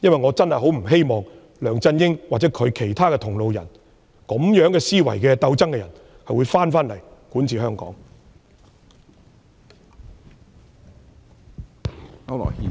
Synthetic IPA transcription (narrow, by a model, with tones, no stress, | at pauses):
jɐ˥nwɐ˨jŋɔː˨˧t͡sɐ˥nhɐ˨jɦo˨˥wm̩˨˩ɦe˥jmɔː˨ŋ | lœː˨˩ŋt͡sɐ˧njɪ˥ŋwaː˨˩t͡sɛː˨˥kʰɵ˨˧ɥkʰe˨˩jt̪ʰaː˥kɛː˧t̪ʰʊ˨˩ŋlo˨wjɐ˨˩n | kɔ˨˥mjœː˨˥ŋkɛː˧siː˥wɐ̰˨˩jkɛː˧t̪ɐ˧wt͡sɐ˥ŋkɛː˧jɐ˨˩n | hɐ˨jwu˨˧jfaː˥nfaː˥nlɐ˨˩jkuː˨˥nt͡sʰiː˨˩hœː˥ŋkɔ̰ː˨˥ŋ | ɐ˥lɔ̰˨˩i˧